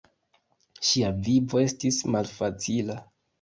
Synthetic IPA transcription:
ʃiavivo̞e̞stismalfat͡sila

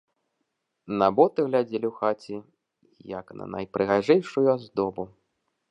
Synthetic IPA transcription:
nabɔt̪ɨɣlʲad͡zʲɛlʲiwxat͡sʲi | jɐ̰knɐ̰nɐ̰jpɾɨɣaʐɛjʂujuazd̪ɔbu

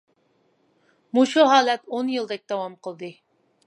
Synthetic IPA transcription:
muʃuɦɑːlɛt̪onjɨlˠd̪ɛk̚ʲd̪̥ɑwɑmqəlˠd̪ɨ

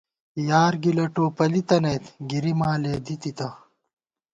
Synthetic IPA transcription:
jaːɾɡilɐʈoːpɐlit̪ɐnejt̪ɡiɾimaːleːd̪it̪it̪ɐ

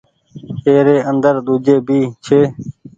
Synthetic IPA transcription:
eːɾeːənd̪əɾɗ̪uːd͡ʒeːbʱiːt͡ʃʰeː

